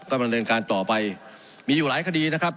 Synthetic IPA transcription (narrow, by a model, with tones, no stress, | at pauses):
kɔː˥˩ba˧ndɤː˧nkaː˧nt̪ɔː˨˩pa˧j | miː˧juː˨˩laː˨˦jkʰa˧diː˧na˦˥kʰp̚